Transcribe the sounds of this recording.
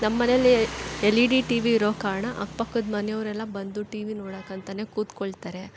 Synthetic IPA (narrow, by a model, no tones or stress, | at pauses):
nɐmːɐnejɐlːielːiɖiʈiːʋiːɾoːkaːɾɐɳɐʔɐkpɐkːud̪mɐnɛjɐʋɾɛlːɐbɐnd̪uʈiːʋinoːɽakːɐnt̪ɐne̞ːkuːt̪koɭt̪aːɾe̞